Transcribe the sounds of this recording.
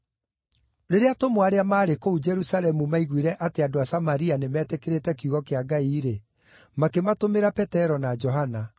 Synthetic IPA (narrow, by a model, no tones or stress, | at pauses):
ɾeɾeatomwaɾeamaːɾekoud͡ʒɛɾusalɛmumaiɣwiɾɛʔateadoasamaɾianemɛːtɛkeɾetɛkjuɣɔkeaɡaiɾe | makematomeɾapɛtɛɾɔnad͡ʒɔɦana